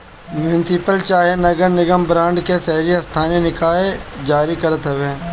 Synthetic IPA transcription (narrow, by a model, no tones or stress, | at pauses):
mjʊnɪsɪpəlt͡ʃaːɦenɐɡəɾnɪɡəmbɾãːɳɖkesɛɦɾiast̪ʰaːnenɪkaːed͡ʒaːɾikɐɾət̪ɦɛʋẽː